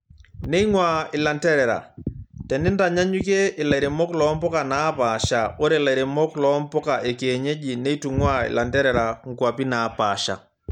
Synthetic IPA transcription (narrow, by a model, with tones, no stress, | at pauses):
nɛ˦i˦ŋwa˨ɪ˨la˨ntɛ˦ɾɛ˨ɾa̰˨tɛ˨nɪ˦nda˨ɲa˦ɲu˦k̬e˦ʔɪ˨la˨i˨ɾe˨mɔ˦klɔ˨˦mpɔ˦ka˨na˨˦pa˨ʃa˨o˦ɾe˨la˨i˨ɾɛ˨mɔ˦klɔ˨˦mpɔ˦ka˨ʔe˨ke˨ɲe˦ʄi˨nɛ˦i˦tu˨ŋwa˦ɪ̰˨la˨ntɛ˦ɾɛ˨ɾa˨ŋ̩˨kwa˨pi˦na˨pa˨ʃa̰˨